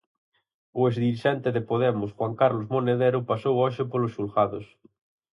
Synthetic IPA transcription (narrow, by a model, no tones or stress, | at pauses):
ʊezðiɾiʃɛnt̪eðepoðɛmʊsxwaŋkaɾlozmoneðeɾʊpasowɔʃepolosulxaðos